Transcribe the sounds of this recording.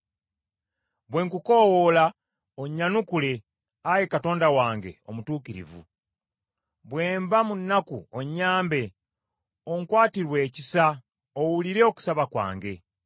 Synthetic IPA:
bwe̞ːŋkukowola | oɲːanukule̞ | ajekato̞ːndawaːŋɡe̞̰o̞̰mutuːkiɾḭvṵ | βweːmbamunːakuoɲːaːmbe̞ | oŋkwaːtiɾwe̞ːcisa | owuliɾe̞oku̥saβakwa̰ːŋɡe̞

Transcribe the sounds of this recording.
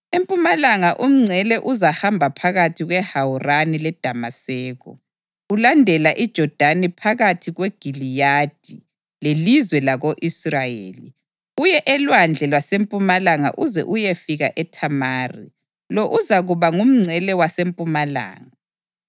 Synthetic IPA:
empʼumalaŋaʔum̩ŋ͡ǀʱɛlɛʔuzahambʱapʰaɣatʰiɣwɛhawuranilɛd̥ʱamasɛːɣɔ̰ | ulandʱɛlaʔid̥ʒ̥ʱɔd̥ʱanɛpʰaɣatʰiɣweɡ̥ʱilijad̥ʱi | lelizwɛlaɣoʔisrajeːli | ujɛʔɛlwand͡ɮʱɛlwasempʼumalaŋa̰ʔuzɛ̰ʔujefiɣa̰ʔɛtʰamaːrḭ | lɔʔuzaɣuβaŋum̩ŋ͡ǀʱɛlɛwasempʼumala̰ːŋa

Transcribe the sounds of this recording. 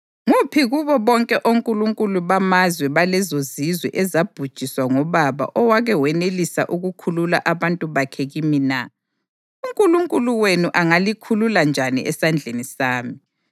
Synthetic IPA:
ŋupʰiɣuβɔβɔŋkʼɛʔoŋkʼuluŋkʼuluβamazwɛβalɛzozizwɛ̰ʔɛzab̥ʱud̥ʒ̥ʱiswaŋɔβaβa̰ʔɔwaɣɛwɛnelisa̰ʔuɣukʰulula̰ʔaβantʼuβakʰɛɣimina | uŋkʼuluŋkʼuluwenuʔaŋalikʰululand͡ʒʱanḭʔɛsand͡ɮʱenisaːmi

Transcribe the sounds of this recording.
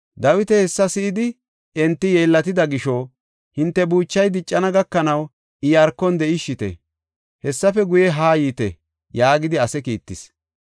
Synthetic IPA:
d̪ɐwɪt̪ɛhɛsːɐsɪʔːd̪ɪ | ɛnt̪ːɪjeːlːɐt̪ɪd̪ɐɡɪʃɔ | hɪnt̪ːɛbuːt͡ʃːɐjd̪ɪt͡ʃʼːɐnɐɡɐkːɐnɐw | ɪjɐɾkːɔnd̪ɛʔɪʃːɪt̪ɛ̰ | hɛsːɐfɛɡʊjɛɦaːjiːt̪ɛ̰ | jaːɡɪd̪ɪɐsɛkiːt̪ːɪs

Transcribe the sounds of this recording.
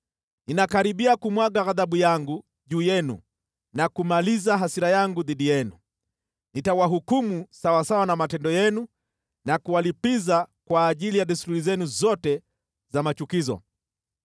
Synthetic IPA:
ninakaɾiɓiakumwaɠaɣaðaɓujaŋɡu | ʄuːjɛnṵ | nakumalizaɦasiɾajaŋɡuðiɗijɛnu | nitawaɦukumusawasawanamatɛndɔjɛnu | nakuwalipizakwaːʄilijaɗisɾuɾizɛnuzɔtɛ | zamat͡ʃukizɔ̰

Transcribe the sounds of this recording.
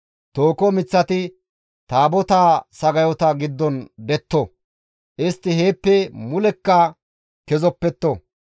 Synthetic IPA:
t̪oːkɔmɪt͡sːɐt̪ɪ | t̪aːbɔt̪aːsɐɡɐjɔt̪ɐɡɪd̪ːɔnd̪ɛt̪ːɔ | ʔɪst̪ːɪheːpːɛmʊlɛkːɐ | kɛzɔpːɛt̪ːɔ

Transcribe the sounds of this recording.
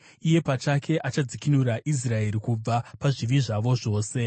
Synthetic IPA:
ije̞pat͡ʃakʰe̞ʔat͡ʃad͡zikinuraʔis̬rae̞ɾikub͡vapaʐiʋiʐaʋo̞ʐo̞ːse̞

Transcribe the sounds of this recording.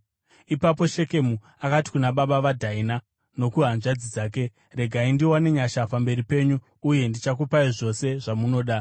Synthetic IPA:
ipapo̞ʃe̞ke̞mu | akati̥kunaɓaɓaʋadʱaina | no̞kuɦanʐad͡zid͡zaːk̬e̞ | re̞ɡʱaindiwane̞ɲaʃapambe̞ɾipe̞ːɲuː | je̞ndit͡ʃak̬upaiʐo̞se̞ʐamuno̞ːɗa

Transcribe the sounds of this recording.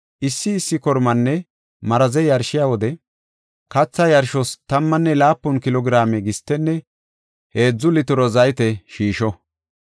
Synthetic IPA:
ʔɪsːɪːsːɪkɔɾmɐnːɛ | mɐɾɐzɛjɐɾʃɪjawɔd̪ɛ | kɐt͡sːɐjɐɾʃɔst̪ɐmːɐnːɛlaːpːʊnkɪlɔɡɾaːmɛɡɪst̪ːɛnːɛ | he̞ːd͡zːʊlɪt̪ʊɾɔzɐjt̪ɛʃiːʃɔ

